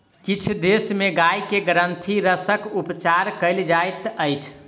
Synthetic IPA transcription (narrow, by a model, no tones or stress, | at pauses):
kit͡ʃʰd̪esmeɡajkeɡɾənt̪ʰiɾəsəkupt͡ʃaɾkəɪld͡ʒajt̪əjt͡ʃʰ